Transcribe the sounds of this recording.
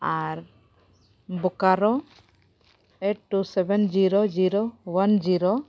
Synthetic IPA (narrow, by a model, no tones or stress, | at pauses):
aɾ | bɔkaɾɔ | eʈ̚ʈːusɛbɛnd͡ʒiɾod͡ʒiɾowand͡ʒiɾo